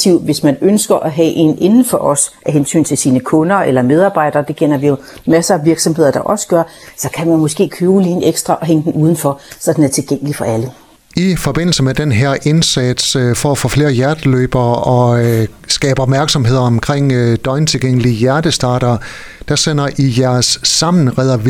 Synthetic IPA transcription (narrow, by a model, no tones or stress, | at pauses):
t͡sʰiʊʋe̝smænønsɡ̥ɐʔæɦɛʔe̝̰ne̝nn̩fɒʔɒ̽sʔæɦensy̰ːnt͡sʰe̝lsiːnəkʰɔ̽nɐʔelɐmeð̞ˠɑ̈ːb̥ɑ̈ɪ̰d̥ɐːd̥e̝ɡ̥ʰen̰ɐʋijo̝mæsʋiɐɡ̥sɒ̽mhe̝ð̰ˠɐd̥ɑ̈ʔɒ̽sə̥ɡ̥ɶɐsɒ̽kʰæmænmɔ̽sɡ̥e̝̰ːkʰøːʊliːn̩eɡ̥sd̥ʁɑʔɒ̽ɦeŋəd̥en̩ʔuːð̞ˠn̩fɒsɒ̽d̥enæɐt͡sʰe̝lɡ̥eŋ̰əlifɒ̽ʔælə | ifɒ̽b̥e̝n̰l̩səmed̥enɦeɐ̰ʔe̝nsæd̥sfɒæfɔ̰ːfle̝ːɐjæɐd̥əløːb̥ɐːɒ̽sɡ̥ɛ̰ːb̥əɒ̽b̥mæɐɡ̥sɒ̽mhe̝ð̰ˠɐɒ̽mkʰʁeŋ̰d̥ɒ̽ɪnt͡sʰe̝lɡ̥eŋ̰əliəjæɐd̥əsd̥ɑ̈ːɾ̥ɐː | d̥ɑ̈sen̰ɐʔijæɐsːɑ̈mn̩ʁɛð̰ˠɐʋ